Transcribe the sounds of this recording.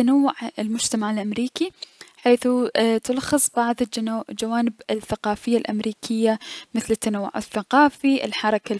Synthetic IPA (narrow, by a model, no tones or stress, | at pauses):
anawːʊʕɪlmʊd͡ʒt̪amaʕɪlʔamɾiːkiħeːθut̪ʊlxɨsˤbɑʕðˤd͡ʒd͡ʒawaːnɪbɪθːaqɑːfɪjːalʔamɾiːkʰɪjːamɪθlɪt̪ːanawːʊ̰ʕɪ̰θːaqɑːfiʔɪ̰lħɑɾˤɑka